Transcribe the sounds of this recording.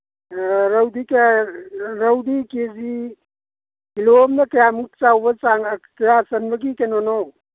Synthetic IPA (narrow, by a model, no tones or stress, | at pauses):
ɾəwd̪ike | ɾəwd̪ikezi | ilomnekejamuk̚t͡ʃawbəsaŋkjasɐnbəɡikenɔnɔw